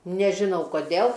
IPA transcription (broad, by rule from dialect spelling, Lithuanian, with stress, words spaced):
nʲɛʒʲɪˈnɐʊ koːˈdʲeːlˠ